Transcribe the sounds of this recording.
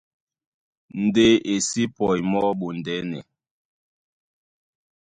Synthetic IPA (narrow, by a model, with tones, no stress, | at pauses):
n̩˨de˦ʔe˨si˦pɔ˨jmɔ˦ɓo˨n˨dɛ˨˦nɛ̰˨